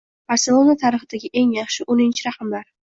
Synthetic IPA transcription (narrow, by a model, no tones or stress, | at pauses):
b̥aɾse̞lˠo̞nat̪ʰaɾɨχɪd̪aɡʲɪʔe̞ŋjɑχʃɪʔonɪnt͡ʃʰɪɾaqʰɑmlaɾ